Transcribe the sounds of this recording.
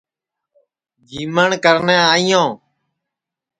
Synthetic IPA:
d͡ʒiːməɳkəɾnẽːaːijõː

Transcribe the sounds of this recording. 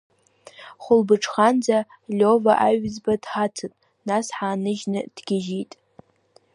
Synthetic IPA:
χʷʊlbɨʈ͡ʂʰχand͡za | lʲo̞vaʔaɥzbad̥χatʰɨtʼ | nasħaːnɨʒnɨd̥ɡ̥ʲɪʒitʼ

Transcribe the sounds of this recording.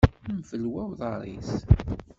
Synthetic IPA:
mfəlwæwðˤɑɾˤḭθ

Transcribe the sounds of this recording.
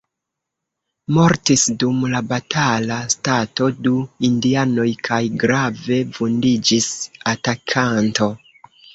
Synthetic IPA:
mo̞ɾtisdumlabatʰalastato̞duindiano̞jkʰajɡɾave̞vundid͡ʒisatakʰanto̞

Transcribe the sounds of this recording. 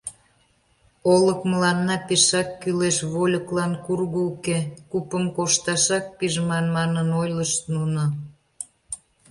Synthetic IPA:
oləkməlɑnːɑpeʃɑkːyleʃβolʲəklɑnkurɣuukekupəmkoʃt̪ɑʃɑk̚piʒmɑnmɑnənojləʃt̪nuno

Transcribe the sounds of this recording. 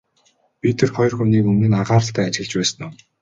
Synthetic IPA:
pʲit̪ʰerχɔjrxuniːkɵmnɘ̆naʁaːɾə̆ɬt̪ʰæːat͡ɕɪ̆ɮt͡ɕpæːsə̆nʊw

